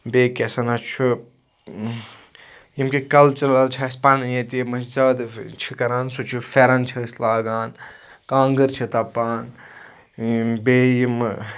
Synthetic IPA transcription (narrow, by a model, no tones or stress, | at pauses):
beːkesɐnat͡ʃʰu | jimkikɐlt͡ʃɐɾɐlt͡ʃʰaspaːnjẽt̪imɐd͡ʒɐd̪t͡ʃʰikɐɾaːnsut͡ʃʰufeːɾaːnt͡ʃʰɐslaːɡaːn | kãːŋɡəɾt͡ʃʰit̪apaːn | beːjim